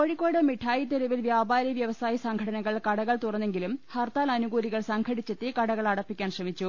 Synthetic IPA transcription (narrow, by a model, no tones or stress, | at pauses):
koɻikːo̞ːɽɐmiʈʰaːjit̪eɾɐʋilʋjaːbaːɾjɐʋjɐʋɐsaːjɐsɐŋɡʰʱɐʈɐnɐɣɐɭkɐɽɐɣɐɭt̪urɐnːe̞ŋɡilumhɐrt̪aːlɐnuɡuːɾiɣɐɭsɐŋɡʰʱɐɽit͡ɕːet̪ːikɐɽɐɣɐɭɐɽɐpːikʲːaːnɕrɐmit͡ɕːu